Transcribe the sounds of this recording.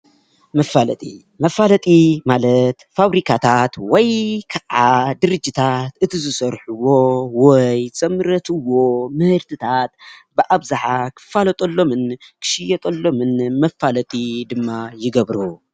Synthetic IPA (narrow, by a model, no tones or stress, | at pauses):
mɐfalɐt̪ʼi | mɐfalɐt̪ʼimalɐt̪faβɾikʰat̪ʰat̪wɔjkʰɐʔad̪ɨɾɨd͡ʒːit̪ʰat̪ɨt̪ʰizɨsɐɾħuwo̞wɔjt͡sʼɐmɨɾɐt̪ʰɨwo̞mɨhɨɾt̪ʰɨt̪ʰat̪̚bɨʔaβzaħakʰɨ̥falɐt̪ʼɐlːo̞mɨnkʰɨ̥ʃijɛt̪ʼɐlːo̞mɨnmɐfːalɐt̪ʼid̪ɨmːajɪɡɐβɾu